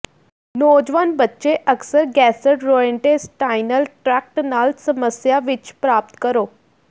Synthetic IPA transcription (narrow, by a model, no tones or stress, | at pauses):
noːd͡ʒʋanbətːʃeʔəksəɾɡɛːseʈɾoːeɳʈesʈajnəlʈɾɛk̚ʈnaːlsəməsjaʋɪt͡ʃpɾaːp̚t̪kəɾoː